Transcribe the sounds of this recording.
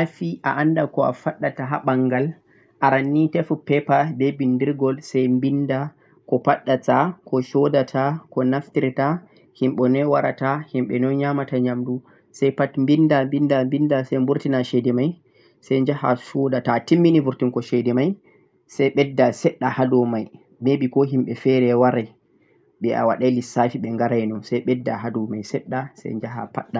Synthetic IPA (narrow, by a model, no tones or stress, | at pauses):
afiʔa̰ʔandakɔa̰faɗːataɦa̰ɓaŋɡal | ʔaɾanːitɛfupɛpabɛbindiɾɡɔlsɛjmbinda | kɔpaɗːatakɔʃɔdatʰakɔnaftiɾta | himɓɛnɔwaɾa̰tahimɓɛnɔɲamataɲamdu | sajpatmbindambindambindasajmbuɾtinaʃɛjdɛmaj | sajɲd͡ʒaha̰ʃɔdatatimːinibuɾtinkɔʃɛjdɛmaj | sajɓɛdːasɛɗːahadɔmaj | mebikɔɦimɓɛfɛɾɛwaɾɛ | ɓɛʔa̰waɗajlisafiɓɛŋɡaɾajnɔnsajɓɛdːaɦadɔmajsɛɗːasɛ̰jɲd͡ʒaɦa̰paɗːa